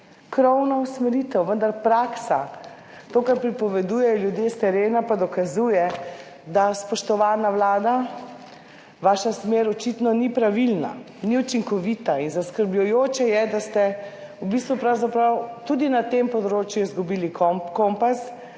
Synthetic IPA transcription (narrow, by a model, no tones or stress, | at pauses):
kɾɔwnɔusmɛɾit̪ɛwʋənd̪aɾpɾaksa | t̪oːkaɾpɾipɔʋɛd̪ujɛjɔljud̪jest̪ɛɾeːnapad̪ɔkazujɛ | d̪aspɔʃt̪ɔʋaːnaʋlaːd̪a | ʋaːʃasmeːɾɔt͡ʃit̪nɔnipɾaʋilna̰ | niut͡ʃiŋkɔʋit̪ainzaskəɾbʎujoːt͡ʃɛjɛd̪ast̪ɛubist̪ʋupɾawzapɾawt̪ud̪inat̪empɔd̪ɾoːt͡ʃjuizɡubiːlikɔkɔmpas